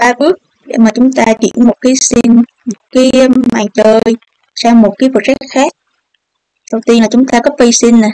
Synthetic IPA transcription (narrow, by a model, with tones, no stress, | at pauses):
ɓaː˧ɓɨ˦˥ək̚ | ɗḛ˧˩maː˨˩t͡ɕʊ˨˦ŋ͡mt̪aː˧t͡ɕḭ˧˨ənmo˨˩t̚kaː˨˦jsi˧n | mo˨˩t̚kaː˨˦jmaː˨˩ŋt͡ɕəː˧˩j | saː˧wmo˨˩t̚kaː˨˦jvo˨˩t̚t͡ɕa˦˥t̚xaː˦˥k̚ | ɗə˨˩wt̪i˧nlaː˨˩t͡ɕʊ˨˦ŋ͡mt̪aː˧kɔ˨˦vi˧si˧n̟na˨˩